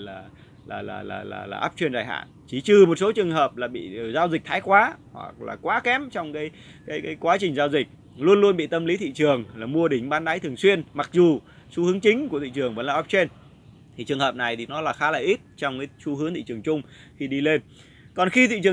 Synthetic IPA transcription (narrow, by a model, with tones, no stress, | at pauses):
laː˨˩ | laː˨˩la̰ː˨˩la̰ː˨˩la̰ː˨˩laː˨˩ʔaː˦˥p̚t͡ɕwi˧nzaː˨˩jha̰ː˧˨nt͡ɕi˧˩˦t͡ɕɨ˨˩mo˨˩t̚so˨˦t͡ɕɨ˨˩əŋɦəː˨˩p̚laː˨˩ɓḭ˧˨˩zaː˧wzï˨˩k̚t̪ʰaː˨˦jkwaː˨˦hwa̰˨˩k̚la̰ː˨˩kwaː˨˦kɛ˨˥mt͡ɕɔ˧wŋ͡mkaː˨˦j | kaː˨˦jkaː˨˦jkwaː˨˦t͡ɕï˨˩ŋ̟zaː˧wzï˨˩k̟̚ | lu˧ənlu˧ənɓḭ˧˨t̪ə˧mli˨˦t̪ʰḭ˧˨t͡ɕɨ˨˩əŋlaː˨˩mu˧əɗï˧˩ŋ̟ɓaː˨˦nɗaː˨˦jt̪ɨ˨˩əŋswi˧ənma˨˩k̚zu˨˩ | su˧hɨ˨˦əŋt͡ɕï˨˦ŋ̟ku˧˩ət̪i˧˨t͡ɕɨ˨˩əŋvə̰˧˥nlaː˨˩ʔa˦˥p̚t͡ɕwe˧n | t̪ʰi˨˩t͡ɕɨ˨˩əŋɦəː˨˩p̚na˨˩jt̪ʰi˨˩nɔ˨˦laː˨˩xaː˨˦laː˨˩ʔi˦˥t̚t͡ɕɔ˧wŋ͡mkaː˨˦su˧ɦɨ˨˦əŋt̪ʰḭ˧˨t͡ɕɨ˨˩əŋt͡ɕʊ˧ŋ͡m | xi˧ɗi˧le˧n | kɔ˨˩nxi˧t̪ḭ˧˨t͡ɕɨ˨˩ə